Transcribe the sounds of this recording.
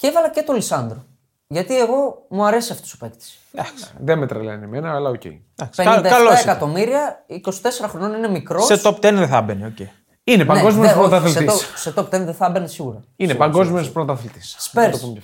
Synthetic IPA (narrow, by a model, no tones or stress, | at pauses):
cevɐlɐce̞t̪olisɐnd̪ɾo | ʝɐt̪ie̞ɣo̞muɐɾe̞siɐft̪osope̞kt̪i̥s | d̪ɐksðemet̪ɾeleɐnemenɐːlɐocḛ | d̪ɐksipenid̪ɐɐloɐseikɐt̪o̞miɾiɐiko̞si̥t̪e̞se̞ɾɐxɾo̞no̞nine̞mikɾoset̪opt̪enðeθɐbeneocei | inepɐneɡo̞zmionospɾot̪ɐθelit̪soset̪o̞p̚t̪enðeθɐbenesiɣuɾɐinepɐŋɡozmioospɾot̪ɐθelt̪i̥sspeɾt̪opum